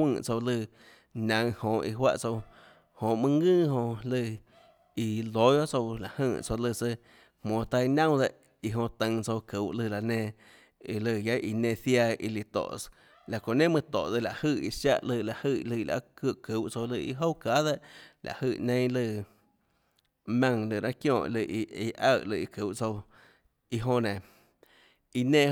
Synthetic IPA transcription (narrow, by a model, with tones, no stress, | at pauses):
wɨ̃˧˨t͡so˧wlɨ˧˨ | nʲã˨˧ŋhõ˧˨ʔi˧ɦwa̰˦ʔt͡so˧w | hõ˨mɨ̃˧ŋɨ̃ː˦˨ɦõ˧lɨ˧ | i˧lo˨˦jo˦t͡so˧wla˨hɨ̃ː˧˨t͡so˧lɨ˧˨t͡sə˧ | hmõː˨t̪a˧i˧nã˦wd̪e˧ʔ | i˧ɦõ˧t̪ə̃˧ŋt͡so˧wkɨ˨wʔlɨ˧˨la˨nẽː˧ | i˧lɨ˧˨ja˦ʔi˧nẽ˧θja˧ḭ˧li˧t̪o̰˨ʔ | la˨kõ˨nẽ˦mɨ̃˧t̪o̰˨d̪e˧˨la˨hɨ˧˨i˧sja˦˧ʔlɨ˧˨la˨ʔhɨ˧lɨ˧˨˧la̰˧˦ku˧˨ʔku˨˦wʔt͡so˧wlɨ˧i˧ɦo˦wka˦ðe˦ʔla̰˨hɨ˧˨nẽ˧˦˧lɨ˧˨ | mʲã˧ŋlɨ˧˨ɾã˦kjõː˧˨ʔlɨ˧ʔi˧i˧ʔa˧˨lɨ˧i˧ku˨˦wʔt͡so˧w | i˧ɦõ˧nẽ˨ | i˧nẽː˧